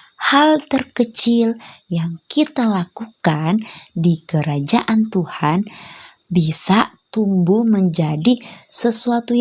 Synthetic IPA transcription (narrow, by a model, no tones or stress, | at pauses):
halt̪ərkət͡ʃiljaŋkit̪alakukandikəɾad͡ʒaʔant̪uhan | bisat̪umbuməɲd͡ʒadisəsuat̪u